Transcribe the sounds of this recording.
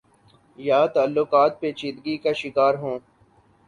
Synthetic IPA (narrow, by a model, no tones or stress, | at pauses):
jaːt̪aːlːʊkaːt̪̚peːt͡ʃĩːd̪ɡikaʃɪkaːɾɦõː